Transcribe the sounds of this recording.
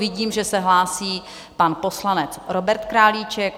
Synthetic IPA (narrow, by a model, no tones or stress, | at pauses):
vɪɟiːmʒɛsɛɦlaːsiː | panpo̞slanɛt͡sɾobɛɾt̪kɾaːliːt͡ʃɛk̚